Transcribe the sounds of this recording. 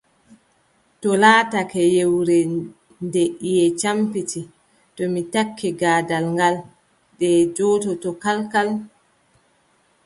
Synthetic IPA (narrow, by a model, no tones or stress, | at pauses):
tɔlaːtakɛjewɾɛ | ndeʔijɛt͡ʃampiti | tɔmitakːiɡaːdalŋɡal | dɛd͡ʒɔtɔtɔkalkal